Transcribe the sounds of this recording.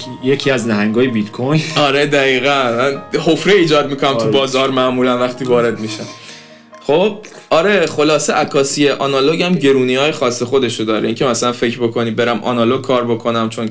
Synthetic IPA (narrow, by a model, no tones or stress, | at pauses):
jecʰiæznæɦæŋɡɒːjebit̪kʰojɒɾe̞d̪æɣiːɣænmænhofɾeiːd͡ʒɒːd̪̚miːkʰo̞næmt̪ʰubɒːzɒːɾmæʔmuːlænvæχt̪ʰiːvɒːɾe̞d̪miːʃæm | χob̥̚ | ɒɾe̞χo̞lɒːseʔækʰɒːsieʔɒnɒloɟæmɟe̞ɾuːniɒːjexɒːsːexo̞d̪e̞ʃod̪ɒːɾeiːŋcʰemæsælænfe̞cʰbo̞kʰo̞niːbeɾæmʔɒ̰nɒlo̞ɡ̚kʰːɒːɾbo̞kʰo̞næmt͡ʃʰo̞n